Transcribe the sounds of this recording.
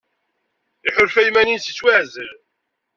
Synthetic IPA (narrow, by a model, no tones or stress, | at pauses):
iħʊlfæjmæninsi̥t͡sːwæʕzəl